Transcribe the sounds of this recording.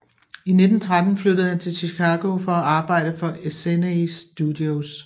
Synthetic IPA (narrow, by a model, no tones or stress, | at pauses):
ine̝d̥n̩t͡sʰʁad̥n̩flødð̩ˠhænt͡sʰe̝ɕikʰɑ̈ːɡ̥o̝fɒ̽æɑ̈ːb̥ɑ̈ɪ̰d̥əfɒ̽eseneisd̥ud̥ios